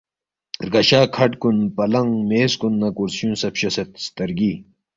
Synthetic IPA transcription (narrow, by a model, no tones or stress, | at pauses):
ɾkɐɕaːkʰɐʈkunpɐlɐŋmeːskunːɐkuɾsũːnsɐpɕɐsɐt̪st̪ɐɾɡiː